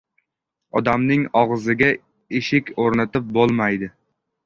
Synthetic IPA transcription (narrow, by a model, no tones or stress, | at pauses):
ɒd̪amnɪŋɒʁzɪɡʲa | eʃɪkʲʰoɾnat̪ɪp̚bolˠmajd̪ɪ